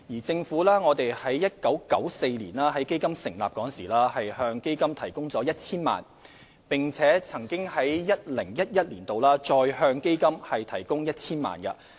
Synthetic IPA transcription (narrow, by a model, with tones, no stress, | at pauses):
jiː˨˩t͡sɪ˧ŋfuː˨˥laː˥ŋɔː˨˧t̪e˨jhɐ˨˥jːɐ˥t̚kɐ˨˥wkɐ̰˨˥wse˧jlḭː˨˩nlaː˥ɦɐ˨˥jke˥jkɐ˥msɪ˨˩ŋlaː˨p̚kɔː˨˥nsḭː˨˩laː˥hɐ˨jhœː˧ŋke˥jkɐ˥mt̪ʰɐ˨˩jkʊ˥ŋt͡sɔː˨˥jɐ˥t̚t͡sʰiː˥nma̰ː˨n | pɪ˨ŋt͡sʰɛː˨˥t͡sʰɐ˨˩ŋkɪ˥ŋhɐ˨˥jjɐ˥t̚lɪ˨˩ŋjɐ˥t̚jɐ˥t̚liː˨˩nt̪o˨wlaː˥t͡ʃɔː˧jhœː˧ŋke˥jkɐ˥mhɐ˨jt̪ʰɐ˨˩jkʊ˥ŋjɐ˥t̚t͡sʰiː˥nma̰ː˨nkɐ˧